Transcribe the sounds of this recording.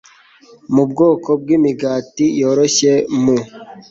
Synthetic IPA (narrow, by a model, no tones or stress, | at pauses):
mubɡo̞ːkʰob̚ɡiːmiɡaːtijoɾoɕemu